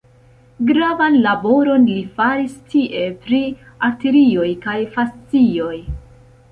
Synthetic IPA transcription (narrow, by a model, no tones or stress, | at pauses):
ɡɾavanlabo̞ɾo̞nlifaɾistiʔe̞pɾi | ateɾio̞jkajfast͡sio̞j